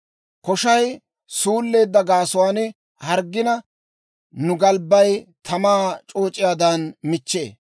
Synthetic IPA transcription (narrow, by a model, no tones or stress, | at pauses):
kɔʃɐj | suːlːe̞ːd̪ːɐɡaːsʊwaːn | hɐɾɡːɪnɐ | nʊɡɐlbːɐjt̪ʰɐmaːt͡ʃʼo̞ːt͡ʃʼɪjaːd̪ɐnmɪt͡ʃːḛː